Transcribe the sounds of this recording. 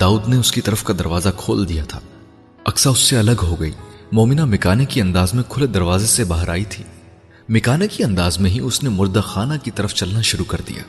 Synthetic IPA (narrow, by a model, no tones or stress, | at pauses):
d̪aːuːd̪neʊskit̪ɐɾəfkad̪ɐɾʋaːzakʰoːld̪ijat̪ʰa̰ː | ɐ̰ksaʊsːeɐləɡɦoɡɐḭːmɔːmɪnamɪkaːnekiɐ̃nd̪aːzmẽkʰʊled̪ɐɾʋaːzesebaːɦəɾa̰ːit̪ʰiː | mɪkaːnekiɐ̃nd̪aːzmẽɦiʊsnemʊɾd̪axaːnakit̪ɐɾəft͡ʃɐlnaʃʊɾukɐɾd̪ḭja̰ː